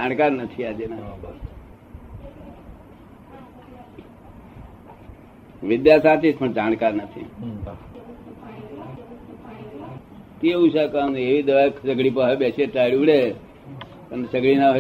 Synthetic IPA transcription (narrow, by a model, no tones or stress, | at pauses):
ankaɾnət̪ʰiad͡ʒena | ʋɪd̪jasat̪it͡ʃpəɳd͡ʒankaɾnət̪ʰḭ | t̪eũsakaneʋid̪əʋaksəɡɭip̬əɦebeseʈailuɽe | ənesəɡɭina